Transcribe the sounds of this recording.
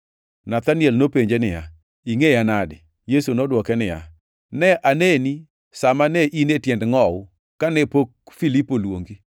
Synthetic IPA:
nat̪anɪɛlnopeɲd͡ʒenɪja̰ | iŋeanadɪ̰ | jesunɔdwɔkɛnɪja̰ | nɛʔaneni | samanɛʔinetjɛndŋɔwʊ | kanɛpok̚filipolwo̰ŋɡi

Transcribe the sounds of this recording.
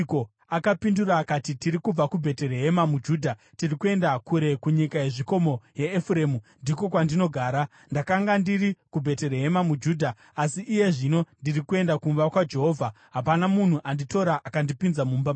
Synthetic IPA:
ko̞ | akapinduraːkatitiɾikub͡vakubʱe̞te̞reɦe̞mamud͡ʒuːdʱa | tirikue̞ndakuɾe̞kuɲikaje̞ʐiko̞mo̞jeːfuɾe̞ːmundiko̞kwandino̞ɡʱaːɾa | ndakaŋɡandiɾikubʱe̞te̞reɦe̞mamud͡ʒuːdʱaː | siʔːje̞ʐino̞ndirikue̞ndakumbakwad͡ʒe̞ɦo̞ːvʱa | ɦapanamun̤uʔandito̞ɾaʔakandipinzamuːmba

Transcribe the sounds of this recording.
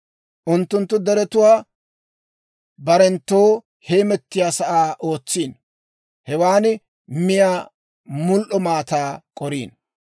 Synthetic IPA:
ʔʊnt̪ːʊnt̪ːʊd̪ɛɾɛt̪ʊwaː | bɐɾɛnt̪ːoː | heːmɛt̪ːɪjaːsɐʔaːʔo̞ːt͡sːiːn | hɛwaːnɪ | mɪjaː | mʊlʔɔmaːt̪aːkʼɔɾḭːn

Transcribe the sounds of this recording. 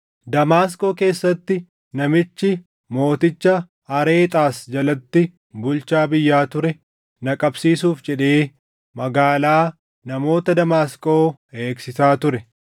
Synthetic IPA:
d̪ɐmaːs̬kʼo̞ːke̞ːsːɐt̪ːɪ | nɐmɪt͡ʃːɪ | mo̞ːt̪ɪt͡ʃːɐ | hɐɾe̞ːt̪ʼaːsd͡ʒɐlɐt̪ːɪ | bʊlt͡ʃaːbɪjːaːt̪ʊɾɛ | nɐkʼɐbsiːsuːfd͡ʒɛᶑe̞ː | mɐɡaːlaː | nɐmo̞ːt̪ɐd̪ɐmaːsko̞ːe̞ːksɪsaːt̪ʊɾɛ

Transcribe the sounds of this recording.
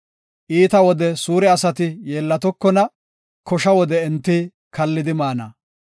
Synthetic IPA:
ʔiːt̪ɐwɔd̪ɛsuːɾɛɐsɐt̪ɪjeːlːɐt̪ɔkːɔnɐ | kɔʃɐwɔd̪ɛɛnt̪ːi | kɐlːɪd̪ɪmaːnɐ̰

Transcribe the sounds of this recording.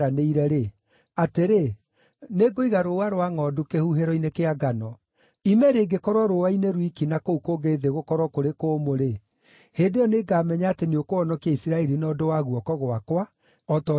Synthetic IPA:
aneiɾɛɾe | ateɾe | neɡoiɣaɾowaɾowaŋɔdokehuɦeɾɔinekeaɡanɔ | imɛɾeːɡekɔɾwɔɾowaineɾwikinakoukoɣeðeɣokɔɾwɔkoɾekoːmoɾe | heːndejɔneːɡaːmɛɲaateneokoɔnɔkiaisiɾaɛɾinɔdowaɣuɔkɔɣoakwa | ɔtɔ

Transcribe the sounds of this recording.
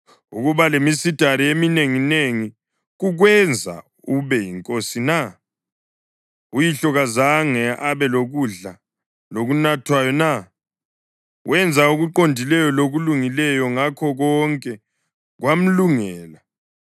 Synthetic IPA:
ṵɣuβalemisid̥ʱaɾiemineŋineŋi | ɣuɣwɛnd͡zʱa̰ | uβɛjiŋkʼosina | ujiɬɔɣazaŋɛaβɛloɣuɮa | loɣunatʰwajɔna | wɛnd͡zʱauɣuǃondʱilɛjɔloɣuluŋilɛjɔŋakʰɔɣɔŋkʼɛ | ɣwam̩luŋɛːla

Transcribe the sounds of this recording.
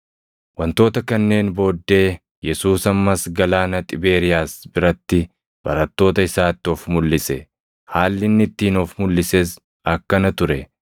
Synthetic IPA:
wɐnt̪o̞ːt̪ɐkɐnːe̞ːnbo̞ːd̪ːe̞ː | jɛsuːsɐmːɐsɡɐlaːnɐt̪ʼɪbe̞ːɾɪjaːsbɪɾɐt̪ːɪ | b̥ɐ̰ɾɐt̪ːo̞ːt̪ɐɪsaːt̪ːɔfmʊlːɪsɛ | haːlːɪnːɪt̪ːiːnɔfmʊlːɪses | ɐkːɐnɐt̪ʊɾɛ

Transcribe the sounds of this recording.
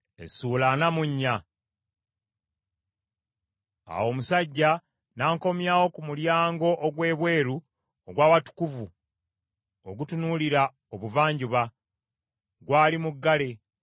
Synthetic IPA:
ḛsuːlanamuɲːa | a̰wo̞musaɟːa | naːŋko̞mjaːwo̞kumuljaːŋɡo̞ʔoɡwe̞ːβwe̞ːɾu | oɡwaːβatu̥kuvu | oɡutunuːliɾa | oβuvaːɲɟuβa | ɡwaːlimuɡːale̞

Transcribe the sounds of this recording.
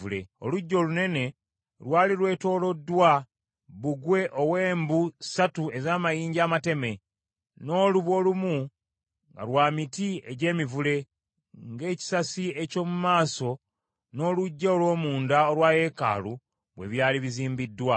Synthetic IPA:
ulḛo̰luɟːo̞lune̞ne̞ | lwaːlilwe̞ːto̞ːlo̞dːwa | βuɡwe̞ʔowe̞ːmbusatue̞zaːmajiːɲɟaːmate̞me̞ | no̞ːluβwo̞ːlumu | ŋɡa̰lwaːmitieɟe̞ːmivule̞ | ŋɡe̞ːci̥sasie̞co̞ːmumaːso̞ | no̞ːluɟːaolwo̞ːmuːndaolwaːje̞ka̰ːlu | βwe̞̰βjaːliβiziːmbidːwa

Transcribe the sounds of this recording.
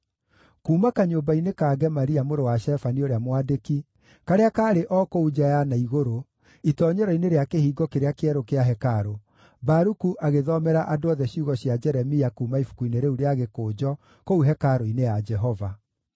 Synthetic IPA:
kuːmakaɲoːbainekaːɡɛmaɾiamoɾowaʃɛfanioɾeamwadeki | kaɾeakaːɾeʔɔkoud͡ʒajanaiɣoɾo | itɔɲɛɾɔineɾeakehiːɡɔkeɾeakeɛɾokeaɦɛkaɾo | baɾukuʔaɣeðɔmɛɾaʔadoɔðɛɕiuɣɔɕjad͡ʒɛɾɛmiakuːmaifu̥kuineɾeuɾeaɣekoːd͡ʒɔ | kouɦɛkaɾoinejad͡ʒɛɦɔva

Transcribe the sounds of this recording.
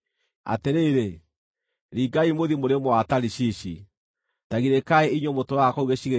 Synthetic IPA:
a̰teɾeɾe | ɾiːɡaimoðimoɾemoataɾiɕiɕi | taɣiɾekaeiɲomotowakɔuɣeɕiɣe

